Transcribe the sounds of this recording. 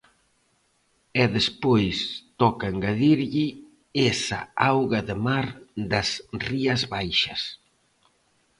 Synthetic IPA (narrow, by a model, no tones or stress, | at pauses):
ɛðespojst̪ɔkaeŋɡaðiɾʎi | esa̰awɣɐðɪmaɾd̪ɐsriɐzβajʃɐs